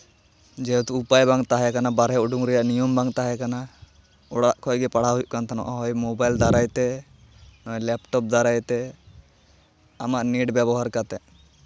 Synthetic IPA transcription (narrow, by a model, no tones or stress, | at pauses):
d͡ʒɛt̪uupajbaŋt̪aɦɛkanabaɾɦɛuɖuŋɾijaʔnijɔmbaŋt̪aɦɛkana | ɔɽaʔkʰɔɡɛpaɽ̤aɦujʔkant̪ʰanɔ̰ʔaɦɔjmobajld̪aɾajt̪ɛ | nɔlɛpʈɔp̚d̪aɾajt̪ɛ | amaʔniɖbabɔɦaɾkat̪ɛ